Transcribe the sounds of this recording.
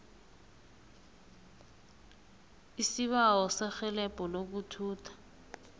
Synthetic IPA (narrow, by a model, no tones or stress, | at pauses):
isiβaɔsaxɛlɛpʼɔlok̬utʰuːtʰḁ